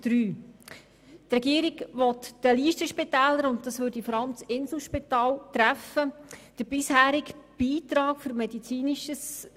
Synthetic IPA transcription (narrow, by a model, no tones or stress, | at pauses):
d̪̥ɾyː | trɛɡiəɾɪɡʋɔt̪d̥əliːʃtəʃpɪtæːləɾʊntdɑsʋøːɾd̥ifɔɾɑləmt͡sɪnsl̩ˠʃpit̪ɑːltɾæfəd̥əb̥ɪshæːɾɪkb̥iːtɾɑːkføɾmɛdit͡siːnɪʃəs